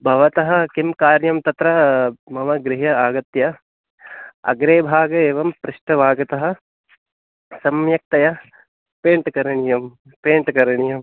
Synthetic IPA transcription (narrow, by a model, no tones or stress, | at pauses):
bʱɐʋɐt̪ɐɦɐ̆kimkaːɾjɐmt̪ɐt̪ɾɐmɐʋɐɡɾɪɦɐaːɡɐt̪jɐ | ɐ̰ɡɾeːbʱaːɡɐeːʋɐmpɾɪʃʈɐʋʱaːɡɐt̪ɐɦɐ̆ | sɐmjɐk̚t̪ɐjɐ | peːɳʈkɐɾɐɳijɐm | peːɳʈkɐɾɐɳijɐm